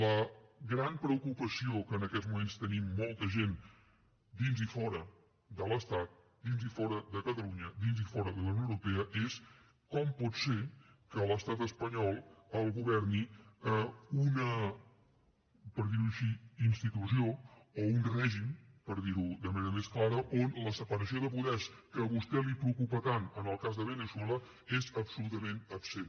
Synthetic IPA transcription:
ləɣɾampɾəukupəsiokəːnəkɛzmumenst̪ənimːɔlˠt̪əʒen | d̪inzifɔɾə | d̪ələst̪at̪̚ | d̪inzifɔɾəðəkət̪əluɲəd̪inzifɔɾəðəlawnjowɾupɛəʔes | kɔmpɔt̪sekələst̪at̪əspəɲɔlˠəlˠɣuβɛɾniəunə | pəɾðiɾuəʃiinst̪it̪usioounrɛʒimpəɾðiɾuðəməneɾəmesklaɾəʔonləsəpəɾəsioðəpuðɛskəβust̪ɛlipɾəukupət̪anənəlˠkazðəβənəswɛlə | ezəpsulut̪əmẽnəpsen

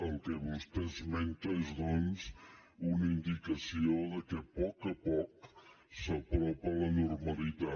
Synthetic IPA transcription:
əlˠkeβust̪ɛzmɛnt̪ezðɔnzunəind̪ikəsioðəkepɔkəpɔk | səpɾɔpələnuɾməlit̪a

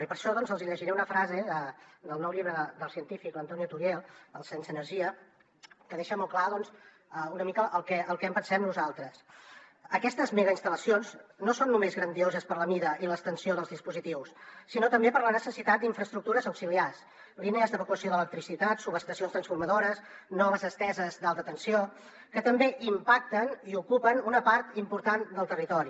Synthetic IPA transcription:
ipəɾʃɔðɔnzəlˠziʎəʒiɾɛunəfɾazeðəd̪əlˠnɔwʎiβɾəðəd̪əlˠsiənt̪ifiklənt̪ɔniut̪uɾjelˠəlˠsensəːnəɾʒiə | kəðeʃəmɔlˠklaðɔns | əunəmikəʔəlˠkɛʔəlˠkɛəmpənsɛmnuzalˠt̪ɾəs | əkɛst̪əzmɛɣəinst̪ələsionznosonːumezɣɾənd̪iozəspəɾləmiðəʔiləst̪ənsioðəlˠzðispuzit̪iwsːinot̪əmbepəɾlənəsəsit̪at̪̚d̪iɱfɾəst̪ɾuk̚t̪uɾəzəwksilias | lineəzðəβəkuəsioðələk̚t̪ɾisit̪at̪suβəst̪əsionst̪ɾənsfuɾməðoɾəsnɔβ̞əzəst̪ɛzəzd̪alˠt̪ət̪ənsio | kət̪əmbeʔimpak̚t̪əniukupənunəpaɾt̪impuɾt̪and̪əlˠt̪ərit̪ɔɾi

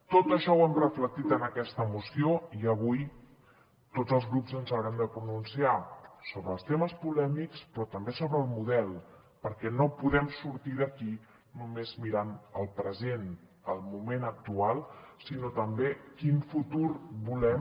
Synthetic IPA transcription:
t̪ot̪əʃɔwɛmrəflək̚t̪it̪ənəkɛst̪əmusioiəβ̞uj | t̪ozəlˠzɣɾupzənzəwɾɛmd̪əpɾununsiasoβɾəːlˠst̪eməspulɛmikspɾɔt̪əmbesoβɾəːlˠmuðɛlˠ | pəɾkɛnopuðɛmsuɾt̪iðəki | numezmiɾanəlˠpɾəzen | əlˠmumenək̚t̪ualˠsinot̪əmbekiɱfut̪uɾbulɛm

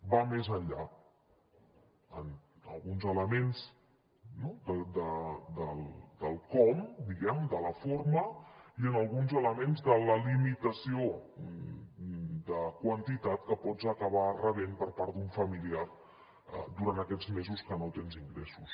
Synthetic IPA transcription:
bamezəʎʎa | ənə̰lˠɣunzələmenz | nod̪əd̪əd̪əlˠd̪əlˠkɔmd̪iɣɛmd̪ələfoɾməiənəlˠɣunzələmenzðələlimit̪əsio | d̪əkwənt̪it̪at̪kəpɔd͡zəkəβ̞arəβenpəɾpaɾt̪d̪uɱfəmiliar | ə̰d̪uɾant̪əkɛd͡zmezuskənot̪enziŋɡɾɛsus

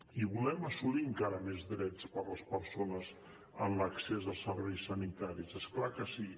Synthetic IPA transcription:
iβulɛməsuliəŋkaɾəmezðɾɛt͡spəɾləspəɾsonəz | ənləksezəlˠsəɾβɛjsːənit̪aɾizesklakəsi

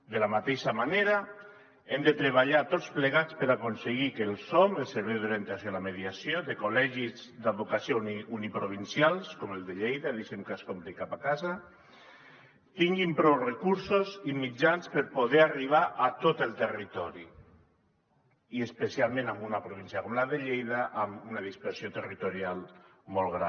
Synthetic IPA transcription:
d̪elamat̪eʃamaneɾa | emd̪et̪ɾeβ̞aʎat̪ot͡sspleɣat͡speɾakonseɣikelˠsomelˠseɾβɛjðoɾjent̪asjolameðiasjoðekolɛʒizd̪aβokasioniunipɾoβ̞insjalˠskomelˠd̪eʎejðaðiʃemkaskomt̪ekapakaza | t̪iŋɡimpɾɔwrekuɾsozimid͡ʒanspəɾpoðeariβ̞aʔat̪ot̪əlˠt̪erit̪ɔɾi | iespəsialˠmẽnambunapɾoβ̞insiakomlaðeʎejðaʔamunaðispəɾsiot̪ərit̪oɾialˠmolˠɣɾa

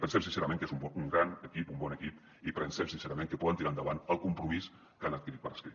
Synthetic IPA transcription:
pənsɛmsinseɾamẽŋkezumbɔuŋɡɾanəkipumbɔnəkip | ipɾənsɛmsinseɾamẽŋkəpɔðənt̪iɾaənd̪əβanəlˠkumpɾumis | kanət̪̚kiɾit̪pəɾəskɾi

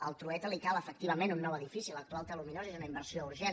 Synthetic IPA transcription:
əlˠt̪ɾuɛt̪əlikaləfək̚t̪iβəmenunːɔwəðifisilək̚t̪ualˠt̪əluminozezunəimbəɾsiouɾʒɛ

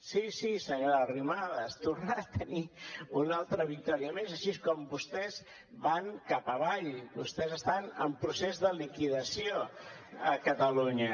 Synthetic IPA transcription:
sisisəɲoɾərimaðəst̪uɾnat̪əniunalˠt̪ɾəβik̚t̪ɔɾiəmezəʃiskɔmbust̪ɛz | baŋkapəβaʎbust̪ɛzəst̪anəmpɾusezðəlikiðəsio | əkət̪əluɲə

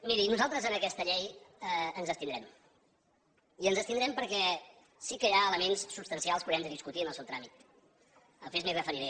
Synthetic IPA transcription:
miɾinuzalˠt̪ɾəzənəkɛst̪əʎejəənzðəst̪ind̪ɾɛm | iənzəst̪ind̪ɾɛmpəɾkɛ | sikəjaələmensːupst̪ənsialˠspuɣɾɛmd̪əðiskut̪iənəlˠsɛwt̪ɾamit̪ | əlˠfezmirəfəɾiɾe

